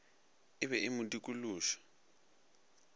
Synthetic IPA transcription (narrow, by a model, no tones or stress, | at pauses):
ɪβɛimudikʼuluːʃɔ̥